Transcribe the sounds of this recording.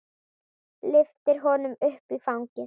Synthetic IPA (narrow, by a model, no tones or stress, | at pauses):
lɪft̪ɪɾ̥ɦɔnʏmʏhpifawŋcɪ